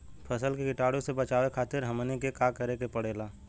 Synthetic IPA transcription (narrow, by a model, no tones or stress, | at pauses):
pʰəsəlkekɪʈaːɽõsebət͡ʃaːʋekʰaːt̪ɪɾɦəmnekekaːkəɾekepəɽeːlaː